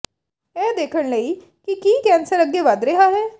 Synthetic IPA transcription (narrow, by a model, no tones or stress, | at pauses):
ɛːd̪eːkʰəɽləiː | kikiːkɛːnsəɾəɡːeːʋəd̪ɾeɦaːɦɛː